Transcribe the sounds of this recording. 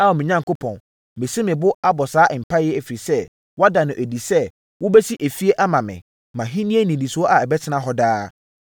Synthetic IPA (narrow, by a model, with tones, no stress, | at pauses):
a˦ɔ˨mɪ̃˨ɲã˦ŋkʊ˦pʰɔ̰̃˨n | mɪ̃˨si˦mɪ̃˨bʊ˦a˦bɔ˨saː˦ʔm̩˨pʰa˦jɛ˦æ˨fi˨ɾi˨sɛ˦ | wɔ˦a˦da˨nʊ̃˨ʔɛ˨di˨sɛ˦ | wʊ˦bɛ˦si˦ʔe˨fi˦e˦ʔa˦mã˨mɪ̰̃˨ | mã˨ɦĩ˦nĩ˦e˦nĩ˨dĩ˨sʊ˨ɔ˦ʔa˨ɛ˨bɛ˦t͡sʰɪ˦nã˦ɦɔ˦daː˦